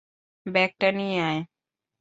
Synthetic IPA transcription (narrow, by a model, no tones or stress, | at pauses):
bɛk̚ʈəniae